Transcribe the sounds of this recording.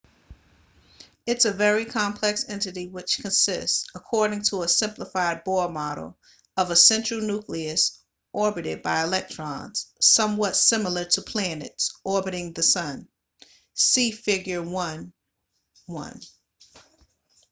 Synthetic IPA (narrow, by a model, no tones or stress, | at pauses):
ɨtsɨvɛɹikʰɑ̃mpʰl̥ɛksɛ̃ntɨɾiwɨt͡ʃkʰɨ̃nsɪstsəkʰɔɹɾɪ̃ŋtʰəəsɪ̃mpləfaɪd̚bɔɹmɑɾl̩ˠ | ʌvəsɛ̃nt͡ʃɹ̥l̩ˠnukliɨs | ʔɔɹbɨɾɪd̚baɪɨlɛk̚tʰɹ̥ɑ̃nz̥sʌ̃mwʌtsɪ̃ml̩ˠə˞ɾəpʰl̥æ̃nɨ̰tsɔɹbɨɾɪ̃ŋðɨsʌ̃n | sifɪɡjə˞wʌ̃n | wʌ̰̃n